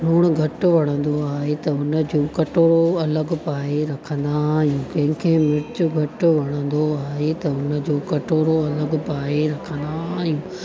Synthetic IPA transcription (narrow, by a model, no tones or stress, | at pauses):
ɾuːɽ̃ɡʱɐʈʊʋɐɽ̃ə̃nd̪oaːɦet̪ɐʊnəd͡ʑoːkɐʈoːɾoɐləɡpaːeɾɐkʰə̃nd̪aɦijũkɐ̃ɦɪ̃kʰeːmɪt͡ɕʊɡʱɐʈʊʋɐɽ̃ə̃nd̪oaːɦet̪ɐʊnə̆d͡ʑoːkɐʈoːɾoɐləɡpaːeɾɐkʰə̃nd̪aːɦijũː